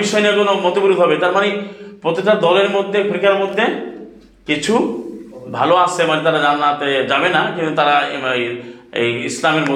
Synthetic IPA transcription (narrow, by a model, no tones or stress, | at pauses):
iʃɔjeniakonomɔt̪obiɾud̪ʱɦɔbet̪aɾmanepɾot̪iʈad̪ɔleɾmod̪ʱːekʰɾikaɾmod̪ʱːe | kit͡ɕʰu | bʱaloasemanet̪aɾad͡ʑanat̪ed͡ʑabenakint̪ut̪aɾa | islameɾmo